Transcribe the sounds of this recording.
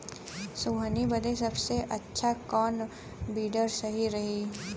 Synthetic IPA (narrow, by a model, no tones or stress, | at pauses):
suːɦənibəd̪es̬ɐbseʔɐtːʃʰakɔːn | biːɖəɾsɐɦiɾɐɦiː